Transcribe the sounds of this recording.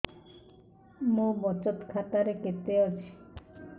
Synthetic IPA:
mobɔt͡ɕot̪kʰat̪aɾeket̪eat͡ɕʰi̥

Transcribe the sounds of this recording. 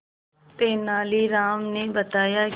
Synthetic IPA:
t̪eːnaːliɾaːmnebət̪aːjaː

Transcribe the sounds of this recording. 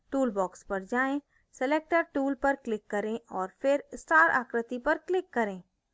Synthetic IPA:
ʈuːlbɔːkspɐɾd͡ʒaːẽ | seleːk̚ʈəɾʈuːlpɐɾklɪkːɐɾẽʔɔːɾfʰɪɾsʈaːɾa̰ːkɾɪt̪ipɐɾklɪkːɐɾẽː

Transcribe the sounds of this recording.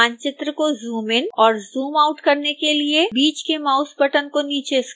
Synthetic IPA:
aːnt͡ʃɪt̪ɾəkozuːmɪnɔːɾzuːmaːʊʈkɐɾnekeliebiːt͡ʃkemaːʊspəʈənkoniːt͡ʃes

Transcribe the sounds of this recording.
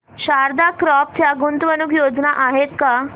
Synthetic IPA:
ɕaɾd̪akɾɔp̚t̪jaɡunt̪ʋənukjod͡znaʔaɦet̪ka

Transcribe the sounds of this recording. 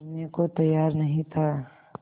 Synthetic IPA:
ɾnekot̪ɐjːaːɾnɐɦĩt̪ʰa

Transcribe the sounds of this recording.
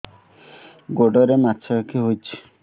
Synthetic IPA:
ɡoɖɔɾemat͡ʃʰɔkakʰiɦojt͡ʃʰi̥

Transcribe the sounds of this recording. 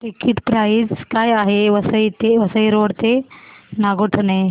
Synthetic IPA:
ʈikiʈpɾaid͡zkajaɦeʋəsəjt̪eʋəsəjɾoɽt̪enaɡoʈʰəne

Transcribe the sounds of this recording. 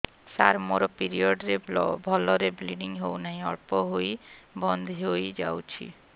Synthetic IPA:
saɾmoɾɔpiɾiɔɖɾebbʱɔlɔɾebliɖiŋɦownaj̃ɔɭpɔɦojbɔnd̪ʱɦojd͡ʒa̰wt͡ʃʰḭ

